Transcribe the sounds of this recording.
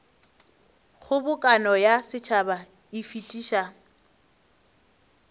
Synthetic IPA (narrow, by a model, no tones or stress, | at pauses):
χʊbʊkʼanɔjasɪt͡ʃʰaba | ifitʼiːʃa